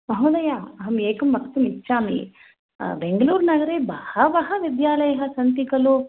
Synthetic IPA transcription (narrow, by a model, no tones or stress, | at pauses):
mɐɦɐːd̪ɐjaːɐɦɐmeːkɐmːɐksɐmitːʃʰaːmḭ | beŋɡəluːɾnɐɡɐɾeːbɐhɐʋɐɦɐʋɪd̪jaːlɐjɐɦɐ̆sɐnt̪ikɐlo